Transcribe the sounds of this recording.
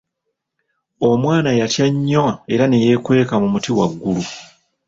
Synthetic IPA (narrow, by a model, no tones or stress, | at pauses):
o̞mwaːnajatjaɲːoe̞ɾane̞je̞kwe̞ːkamumutiwa̰ɡːulu